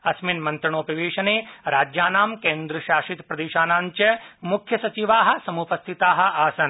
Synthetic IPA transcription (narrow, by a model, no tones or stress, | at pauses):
ɐsminmɐ̃nt̪ɾɐɳoːpɐʋeːʃɐneːɾaːd͡ʒjaːnaːmkẽːnd̪ɾɐʃaːʃit̪pɾɐd̪eːʃaːnaːɲt͡ʃɐmukʰjɐsɐt͡ʃiʋaːɦɐ̆sɐmupɐst̪ʰit̪aːɦɐ̆ʔaːsɐn